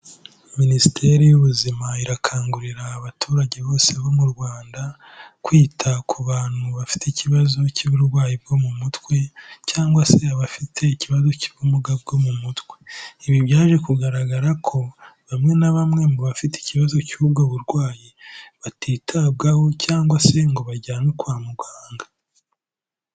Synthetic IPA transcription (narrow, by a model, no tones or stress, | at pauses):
minisitʰe̞ɾejuβuzimaiɾakʰaːŋɡuɾiɾaːβatʰuːɾaɟe̞βo̞ːse̞βomuɾɡwaːnda | kwiːtʰakʰuβaːn̥huβafi̥teciβazo̞ciβuɾɡwaːjib̚ɡo̞mumutwe̞caːŋɡwase̞aβafitʰe̞iciβazo̞ci̥βumuɡab̚ɡo̞mumutkwe̞iβiβjaːʒe̞kuɡaɾaɡaɾakʰo̞βamŋe̞naβamŋe̞muβafitei̥ciβazo̞ciub̚ɡoβuɾɡwaːjiβatʰiːtʰab̚ɡaho̞caːŋɡwase̞ŋɡo̞βaɟaːnokwaːmuɡwaːŋɡa